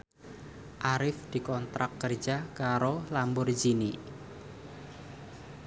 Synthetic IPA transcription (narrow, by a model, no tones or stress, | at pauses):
ʔaɾɪfd̪̥i̤kɔnt̪ɾakːərd͡ʒakaɾolambʊrd͡ʒini